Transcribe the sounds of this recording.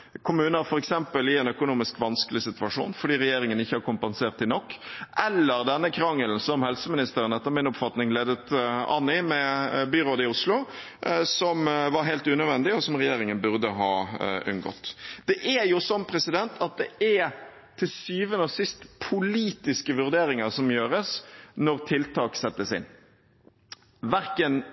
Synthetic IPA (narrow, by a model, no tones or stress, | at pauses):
kʰʊmʉːnəɾfɔɾɛksɛmpəlɪɛnœkʊnuːmɪskʋɑnskəlɪsɪt̪ʉɑʂṵːnfɔɖiːɾɛjeːɾɪŋənɪçːəhɑɾkʊmpɛnseːʁt̪ʰːɪlnɔkːʔɛlːəɾd̪ɛnːəkʰɾɑŋːəlnsɔmhɛlsəmɪnɪst̪əɾənɛt̪ːəʁmɪnʊpfɑt̪nɪŋleːd̪ət̪ɑ̰nːɪmɛbyɾoːd̪ɪʊslʊ | sɔmʋɑɾɦɛɪlt̪ʉːnœd̪ʋɛnd̪ɪɔsɔmɾɛjeːɾɪŋənbʉʁd̪əɦɑ̰ːʉ̰nɡɔ̰t̪ːd̪̥ɛʔæjʊsɔnːpʰɾɛsɪd̪ɛnt̪ʰɑt̪̚d̪ɛæ | t̪ʰɪlsyːʋənəsɪst̪pʰʊliːt̪ɪskəʋʉɾd̪eːɾɪŋɑʁsɔmjøːɾəsnɔɾt̪ʰɪlt̪ʰɑːksɛt̪ːəsɪ̰n | ʋæɾkən